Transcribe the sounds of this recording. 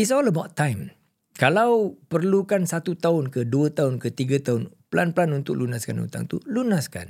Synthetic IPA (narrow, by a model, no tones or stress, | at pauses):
is̬ɔləbawt̪ːãjm | kalawpərlukansat̪ut̪aʊnkəduət̪aʊnkət̪iɡat̪aʊnpəlanpəlanunt̪ʊk̚lunaskanṵnt̪a̰ŋt̪ulunaska̰n